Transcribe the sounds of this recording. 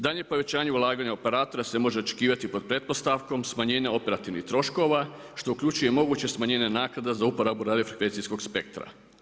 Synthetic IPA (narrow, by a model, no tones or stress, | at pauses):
d̪aʎɲe̞po̞ʋe̞t͡ɕaːɲeulˠaːɡaɲaope̞ɾaːt̪o̞ɾase̞mo̞ʒe̞o̞t͡ʃe̥kiːʋat̪ipo̞d̪̚pɾe̞t̪̚po̞st̪aʋko̞msmaɲe̞ːɲao̞pe̞ɾat̪iʋnḭxt̪ɾo̞ʃko̞ʋa | ʃt̪o̞ukʎʲut͡ʃuje̞mo̞ɡuːt͡ɕe̞smaɲe̞ːɲanaːknad̪azaupoɾabuɾaːd̪efɾekʋe̞nt̪sisko̞ɡspe̞k̚t̪ɾa̰